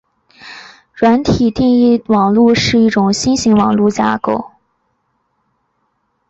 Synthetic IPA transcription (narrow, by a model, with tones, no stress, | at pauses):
ɻwa˧˥nt̪ʰi˨˩t̪i˥˧ŋi˥˩wɑ˨˩ŋlu˥˧ʂɻ̩˥˧i˥˩ʈ͡ʂʊ˨˩ŋɕi˥nɕi˧˥ŋwɑ˨˩ŋlu˥˩t͡ɕja̰˥ko˥˩ʊ